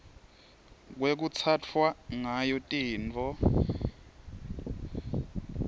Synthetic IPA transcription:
k̬wek̬ut͡sʰat͡fʰwaŋajɔtʼiːnt͡fʼɔ

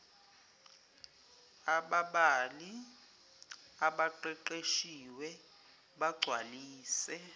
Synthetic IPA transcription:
aɓaɓali | aɓaǃɛǃeʃiwɛ | ɓaɡ͡ǀʱwaliːsɛ

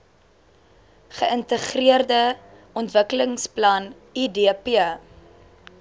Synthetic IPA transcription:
χəʔəntəχriərdə | ɔntvəkələŋsplɐn | idipiə

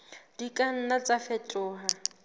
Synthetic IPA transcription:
d̥ikʼan̩nat͡safɛtʼʊːɦa

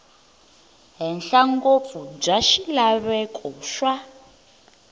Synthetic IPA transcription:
ɦɛnɬaŋɡop̪fub͡ʐaʃilaβɛkʼɔʃwa

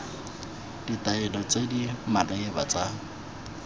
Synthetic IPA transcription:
d̥itʼaɛlɔt͡sʼedimadaebat͡sʼa

